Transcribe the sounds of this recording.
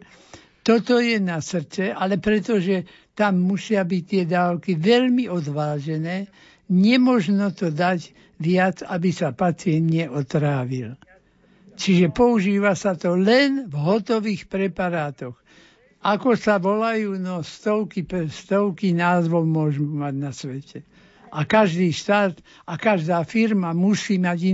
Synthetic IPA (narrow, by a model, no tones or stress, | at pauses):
t̪ɔt̪ɔjɛnasr̩t͡sɛʔalɛpɾɛt̪ɔʒɛ | t̪amːusɪabict̪ɪɛd̪aːʊkiʋɛʎmiʔɔd̪ʋaːʒɛnɛː | ɲɛmɔʒnɔt̪ɔd̪aɟ | ʋɪat͡sabisapat͡sɪɛnd̪ɲɛʔɔt̪ɾaːʋil | t͡ʃiʒɛpɔuʒiːʋasat̪ɔlɛnvɦɔt̪ɔʋiːxpɾɛpaɾaːt̪ɔɣ | ʔakɔsaʋɔlajuːnɔst̪ɔʊkipst̪ɔʊkinaːzʋɔʊmʊɔʒmumaɟnasʋɛcɛ | ʔakaʒd̪iːʃt̪aːt̪ | akaʒd̪aːfiɾmamusiːmaɟi